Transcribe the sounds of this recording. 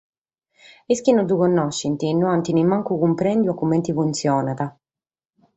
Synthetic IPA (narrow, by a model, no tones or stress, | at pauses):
iskinɔd̪ukɔnːɔʃːint̪inːuant̪inimaŋkukumpɾɛnd̪juakːumɛnt̪ifunt̪sjɔːnat̪a